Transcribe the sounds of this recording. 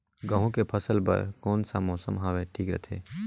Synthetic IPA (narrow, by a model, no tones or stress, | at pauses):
ɡə̃ɦũkepʰɐsəlpɐ̰ɾkɔːnsamɔːsəmɦaːʋeʈʰiːkɾɛ̰t̪ʰḛː